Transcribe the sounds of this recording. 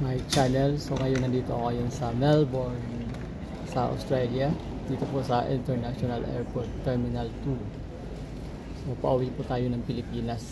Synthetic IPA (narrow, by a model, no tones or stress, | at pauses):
majt͡ʃanɛlsoŋajunandit̪o̰ajənsamɛlbɔrn | sao̰st̪ɾalia | d̪it̪upuʔsaʔḭnt̪ərnasonalɛ̰rpɔt̪ːɛrminalt̪u | sopaʔowiput̪ajunanfilipinas